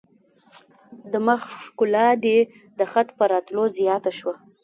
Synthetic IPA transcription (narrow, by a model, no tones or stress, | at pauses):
d̪əmaxʂkʊlɑd̪e | d̪əxat̪pəɾɑt̪lozjɑt̪aʃwa